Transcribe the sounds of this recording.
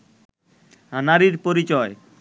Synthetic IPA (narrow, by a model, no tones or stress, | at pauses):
anaɾiɾpoɾit͡ɕɔe